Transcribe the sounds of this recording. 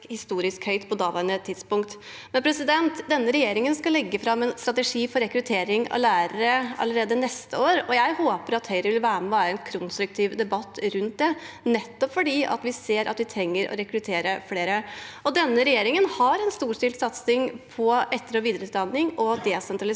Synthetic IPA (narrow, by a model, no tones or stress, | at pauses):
hɪst̪uːɾɪskhœʏt̪pʰɔd̪ɑːʋənət̪ʰɪd̪spʊŋkt̪ | mɛnpʰɾɛsɪd̪ɛnt̪d̪ɛnːəɾɛjeːɾɪŋənskɑlɛɡːəfɾɑmːɛnst̪ɾɑt̪əʂiːfɔɾɛkɾʉt̪ʰeːɾɪŋɑ̰læːɾəɾəɑ̰ləɾeːd̪ənɛst̪əoːɾɔjæɪhoːpəɾɑt̪hœʏɾəʋɪlʋæːɾmɛʋæːɾəɛnkʰɾʊnst̪ɾʉk̚t̪ʰiːʋd̪ɛbɑt̪ːɾʉnt̪̚d̪ɛ | nɛt̪ːɔpfɔɖiːʔɑ̰t̪ʋɪseːɾʔɑ̰t̪ʋɪt̪ʰɾɛŋːəɾʔɔ̰ɾɛkɾʉt̪ʰeːɾəfleːɾəɔd̪ɛnːəɾɛjeːɾɪŋənhɑɾɛnst̪uːʂʈɪlt̪sɑt̪snɪŋpʰɔɛt̪ːəɾɔʋiːd̪əɾəʉːt̪̚d̪ɑnːɪŋɔd̪ɛsɛnt̪ɾɑlɪ